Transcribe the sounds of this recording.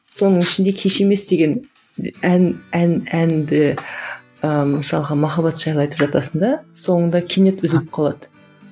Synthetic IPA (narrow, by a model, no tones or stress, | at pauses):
so̞nəɴɪʃɪnd̪e̞kʲʰe̞ʃe̞me̞sd̪e̞ɡʲe̞n | ænænænd̪ɪ | əməsɑlˠəʁɑmɑχɑbɑt̪ʒ̥ɑjlˠɑjt̪əpʒɑt̪ɑsənd̪ɑso̞ɴənd̪ɑkʲʰene̞t̪ʏzɪlɪp̚qʰɑlˠɑd̪ə̥